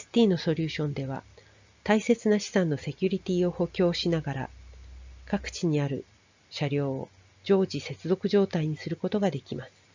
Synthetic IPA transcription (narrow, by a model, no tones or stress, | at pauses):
sɨ̥t̪ʲiːno̞so̞ɾʲɨːɕõ̞nd̪e̞β̞a̰ | t̪aise̞t͡sɨnaɕi̥sãnːo̞se̞kʲɯɾʲit̪ʲiːo̞ho̞kʲo̞ːɕinaɡaɾa̰ | kakɯ̟̥t͡ɕiɲ̟iaɾɯ̟̰ | ɕaɾʲjo̞ːo̰ | d͡ʑo̞ːd͡ʑise̞t͡sɨzo̞kɯ̟ʑo̞ːt̪aiɲ̟isɨɾɯ̟ko̞t̪o̞ɡad̪e̞kʲimasɨ̥